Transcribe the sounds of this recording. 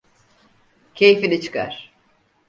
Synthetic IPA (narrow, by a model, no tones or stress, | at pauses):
cʰe̞jfinit͡ʃʰɯ̥kʰa̰ɾ̥